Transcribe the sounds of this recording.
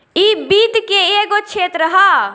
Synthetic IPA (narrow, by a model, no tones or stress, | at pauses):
iːbiːt̪keeːɡot͡ʃʰeːt̪ɾəɦaː